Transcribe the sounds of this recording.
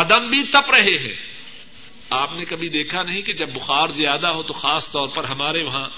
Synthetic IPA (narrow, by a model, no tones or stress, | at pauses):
ɐd̪əmbʱit̪ɐpɾɐɦeɦɛ̰̃ː | aːpnekɐbʱid̪eːkʰanɐɦĩked͡ʒɐbːʊxaːɾzɪjaːd̪aɦot̪oxaːst̪ɔːɾpɐɾɦɐmaːɾeʋɐɦã